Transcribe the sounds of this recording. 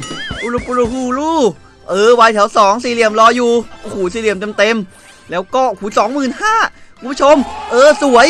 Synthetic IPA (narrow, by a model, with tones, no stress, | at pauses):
ʔu˧ɾu˧pu˧ɾu˧huː˧˩˧luː˥˩ | ʔɤː˨˧˩wa˧jt̪ʰɛ˩˦wsɔː˩˦ŋsiː˧˩li˨˩əmlɔː˧juː˨˧˩ʔoː˧˩huː˨˩s̬iː˧˩li˨˩əmt̪e˧mt̪e˧m | lɛː˦˥wkɔː˥˩˧kʰuː˨˩˦sɔː˨˩˦ŋmɯː˨˩nhaː˥˩kʰu˧pu˥t͡ɕʰo˧mʔɤː˧su˨˩˦əj